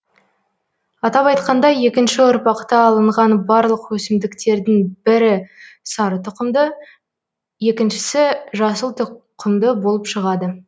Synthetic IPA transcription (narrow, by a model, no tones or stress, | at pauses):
ɑt̪ɑpɑjt̪qɑnd̪ɑje̞kʲɪnʃɪʊɾpɑqt̪ɑːlˠəɴʁɑnbɑɾlˠəqwɵsɪmd̪ɪkt̪e̞ɾd̪ɪŋbɪɾɪsɑɾət̪qd̪ə | je̞kʲɪnʃɪ̥sɪʒɑsəlˠt̪qʰəmd̪əbo̞lˠəpʃəʁɑd̪ə